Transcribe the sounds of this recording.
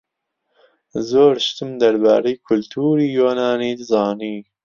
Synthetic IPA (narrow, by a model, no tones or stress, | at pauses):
zoːɾʃt̪ɨmd̪ɐɾbɑ̰ːɾejkʰʊlt̪ʰuːɾiːjoːnɑːniːd̪ɨzɑːniː